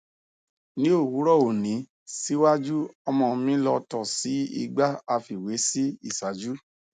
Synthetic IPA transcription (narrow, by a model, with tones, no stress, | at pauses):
nĩ˨˦o˦˨hu˨˦ɾɔ˦˨o˨nĩ˨˦ | si˦wa˦d͡ʒu˦ɔ˧mɔ̃˧mĩ˦lɔ˧tɔ˦˨si˨˦ḭ˧ɡ͡ba˦a˧fi˨we˨˦si˦ḭ˦˨sa˨˦d͡ʒu˦